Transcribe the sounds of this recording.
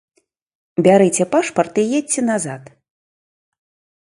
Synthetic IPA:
bʲaɾɨt͡sʲɛpaʂpɐrt̪ɨjet͡sʲɛnazat̪

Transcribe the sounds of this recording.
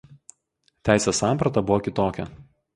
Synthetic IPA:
t̪ʲæˑɪsʲeːsɑˑmpɾɐt̪ɐbʊʋɔkʲɪt̪oːkʲɛ

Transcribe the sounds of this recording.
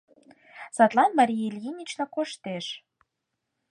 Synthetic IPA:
sɑt̪lˠɑnmɑɾʲijelʲjinʲit͡ɕnɑkoʃt̪eʃ

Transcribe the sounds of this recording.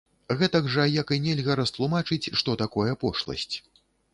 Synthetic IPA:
ɣɛt̪ɐɡʐɐjakɨnʲɛlʲɣɐɾɐst̪lˠumat͡ʂɨt͡sʲʂt̪ɔt̪akɔjɛpɔʂlˠɐ̰sʲt͡sʲ

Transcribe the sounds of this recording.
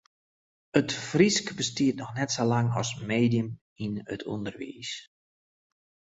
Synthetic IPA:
ətfriskbəstiətnɔxnɛtsolaŋɔ̰smeːdiəm | inə̰tʰṵndərʋḭːs

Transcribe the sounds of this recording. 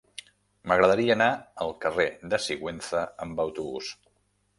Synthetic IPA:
məɣɾəðəɾiəːnaəlˠkəreðəsiɣwenθəəmbəwt̪uβṵs

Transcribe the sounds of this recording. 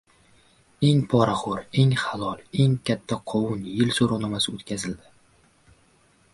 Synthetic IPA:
e̞ŋpʰɒɾaχʊɾe̞ŋχalˠɒlˠe̞ŋkʲʰat̪ʰːaqʰɒwʊnjɪlsoɾanɒmasɪot̪kʲʰazɪld̪ɪ

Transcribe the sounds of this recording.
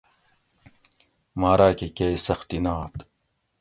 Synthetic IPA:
maːɾaːkekeːisɐxt̪inaːt̪

